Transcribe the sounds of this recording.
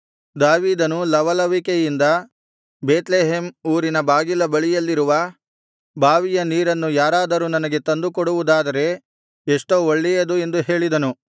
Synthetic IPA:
d̪aːʋiːd̪ɐnulɐʋɐlɐʋikejind̪ɐ | beːt̪leːɦemuːɾinɐbaːɡilɐbɐɭijɐlːiɾuʋɐ | bʱaːʋijɐniːɾɐnːujaːɾaːd̪ɐɾuːnɐnɐɡe̞t̪ɐnd̪ukoɽuʋud̪aːd̪ɐɾe̞ | eʂʈoːoɭːɛjɐd̪ue̞nd̪uɦe̞ːɭid̪ɐnu

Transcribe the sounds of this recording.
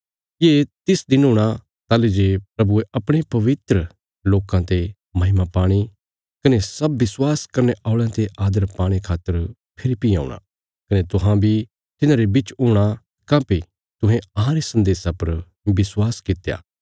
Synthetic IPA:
jeːt̪ɪsd̪ɪnɦʊːɽ̃a | t̪aːled͡ʒepɾɐbueʔɐpɽ̃epɐʋɪt̪ɾə | loːkãt̪e | mɐɦɪmapaːɽ̃i | kɐnesɐbːɪswaːskɐɾneaːʊɭãt̪eʔaːd̪əɾpaːɽ̃ikʰaːt̪ːəɾ | pʰɪɾipia̰ːʊ̰ɽ̃a̰ | kɐnet̪ʊɦãbʱi | t̪ɪnãːɾebit͡ʃʊːɽ̃a | kãːpi | t̪ʊ̃ɦẽɐɦãɾesɐ̃nd̪eːsãpɐɾ | bɪswaːskɪt̪eja̰ː

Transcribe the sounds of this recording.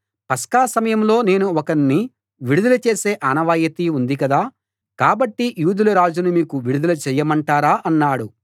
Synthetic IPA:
pɐskaːsɐmɐjɐmlo̞ːne̞ːnuɔkɐnːi | ʋiɽud̪ɐlɐt͡ʃe̞ːse̞ːʔaːnɐʋaːjɐt̪iund̪ikɐd̪aː | kaːbɐʈːijuːd̪ulɐɾaːd͡ʒunumiːkuʋiɽud̪ulɐt͡ʃɛːjɐmɐɳʈaːɾaːʔɐnːaːɽu

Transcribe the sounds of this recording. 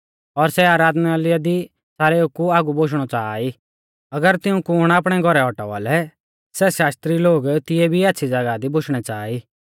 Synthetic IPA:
ɔɾsɛaːɾaːd̪nalɪjad̪i | saːɾɛukːuaːɡuboʃ̬ɽ̃ɔt͡saːi | ɐɡəɾt̪ɪũkʊɽ̃aːp̬ɽ̃ɛɡʱɔɾɛɔʈa̰ʋa̰ːlɛ | sɛʃaːst̪ɾiloːɡt̪ɪjɛbʱiɛːtːsʰid͡zɐɡad̪iboʃʰɽ̃ɛt͡saːi

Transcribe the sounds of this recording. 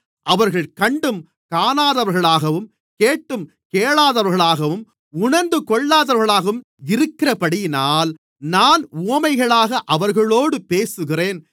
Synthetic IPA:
ʔɐʋɐɾɣɐɭkɐɳɖɯm | kaːnaːðɐʋɐɾɣɐɭaːɣɐʋɯm | keːʈːɯm | keːɭaːðɐʋɐɾɣɐɭaːɣɐʋɯm | ʊɳɐɾnd̪ɯkɔɭːaːðɐʋɾɐɾɣɐɭaːɣɐʋɯm | ɪɾɯkːɪrɐpɐɽɪjnaːl | naːnuɐmɐɪɣɐɭaːɣɐʔɐʋɐɾɣɐɭoːɽɯpeːsɯɣɪreːn

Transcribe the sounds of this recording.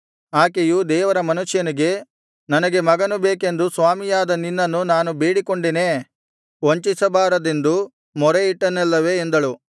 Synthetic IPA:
aːkejud̪ɛːʋɐɾɐmɐnuʃjɐniɡe̞ | nɐnɐɡe̞mɐɡɐnubeːke̞nd̪usʋaːmijaːd̪ɐninːɐnːunaːnubeːɽikoɳɖene | ʋoɲt͡ʃisɐbaːɾɐd̪end̪u | mɔɾeiʈːɐnɛlːɐʋe̞ːnd̪ɐɭu

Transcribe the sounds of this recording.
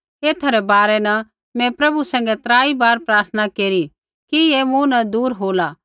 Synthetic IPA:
eːt̪ʰɐɾɛbaːɾɛnɐ | mɛ̃pɾɐbusɛ̃ːŋ̆ɡɛt̪ɾaːibaːɾpɾaːɾt̪ʰənakeːɾi | kiemũnɐ̃d̪uːɾɦoːlaː

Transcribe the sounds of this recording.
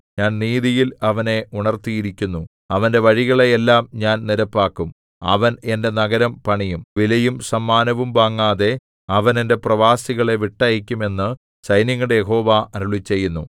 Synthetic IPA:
ɲaːnniːðijilɐʋɐne̞uɳɐrt̪ijiɾikʲːunːu | ɐʋɐndeʋɐɻiɣɐɭe̞elːaːmɲaːnniɾɐpːaːkːum | ɐ̰ʋɐne̞nde̞nɐɡɐɾɐmpɐɳijumʋilɐjumsɐmːaːnɐʋumbaːŋːaːðe̞ | ɐʋɐne̞nde̞prɐʋaːsiɣɐɭe̞ʋiʈːajik̬ʲːume̞nːɨ | sɐjnɐŋːuɽejeɦo̞ːʋaɐɾuɭit͡ɕːe̞jːunːu

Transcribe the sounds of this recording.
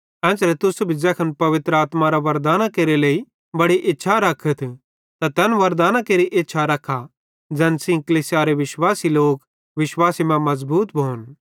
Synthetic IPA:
ɛ̃ːt͡ʃɾɛt̪ʊsubʱid͡ʒɛːkʰɐnpɐʋɪt̪ɾəaːt̪maɾaʋɐɾd̪aːnakeːɾeleːi | bɐɽiʔɪtːʃʰaɾɐkʰət̪ʰ | t̪at̪ɛːnʋɐɾd̪aːnakeːɾiʔɪtːʃʰaɾɐkʰːa | d͡ʒɛ̃ːnsĩkɐliːsjaɾeʋɪʃwaːsiloːk | ʋɪʃwaːsimɛ̃mɐzbuːt̪bʱoːn

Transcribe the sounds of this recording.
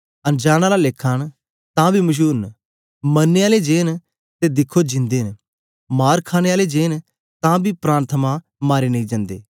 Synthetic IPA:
ənd͡ʒaːɽ̃aːlalekʰːaːn | t̪ãːbʱiːmʊʃ̬uːɾn | mənːeaːled͡ʒeːn | t̪eːd̪ɪkʰːod͡ʒɪ̃nd̪eːn | maːɾkʰaːñeːaːled͡ʒeːn | t̪ãːbʱiːpɾaːɾət̪ʰəmãː | maːɾeːnɐĩːd͡ʒãːnd̪ḛː

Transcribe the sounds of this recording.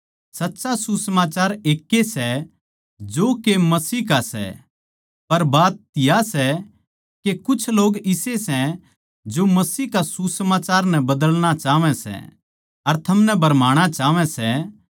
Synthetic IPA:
sɐtːʃasusəmaːt͡ʃaːɾeːkːesɛ | d͡ʒoːkemɐsiːkasɛ̰ | pɐɾbaːt̪ːɪjasɛ | kekʊt͡ʃʰloːɡɪsesɛ̃ | d͡ʒomɐsiːkasusəmaːt͡ʃaːɾnɛ̃bɐd̪əlɽ̃at͡ʃaːʋɛ̃sɛ̰ | ɐɾt̪ʰɐmnɛbʱɐɾmaːɽ̃at͡ʃaːʋɛ̃sɛ

